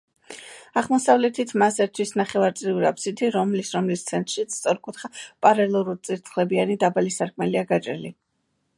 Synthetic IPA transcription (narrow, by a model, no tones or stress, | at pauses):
aʁmɔsavlɛt̪ʰit̪ʰmazɛɾt̪ʰwisnaχɛvaɾt̪sʼɾiuɾapsit̪ʰiɾɔmlisɾɔmlist̪sʰɛnt̪ʼɾʃit̪sʰt̪sʼɔɾkʼut̪ʰχapʼaɾɛlˠuɾuɾt̪sʼiɾt̪ʰχlɛbianid̪abalisaɾkʼmɛliaɡat͡ʃʼɾɛli